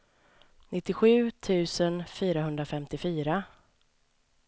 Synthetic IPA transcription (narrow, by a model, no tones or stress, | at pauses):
nʔɪt̪ːɪɧʉ̟ːt̪ʰʉ̟ːsənfyːɾaɦɵnd̪ɾafɛmt̪ɪfyːɾa